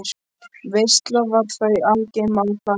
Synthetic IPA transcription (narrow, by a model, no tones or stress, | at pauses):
vejst̪lavaɾθœalcɪmalfa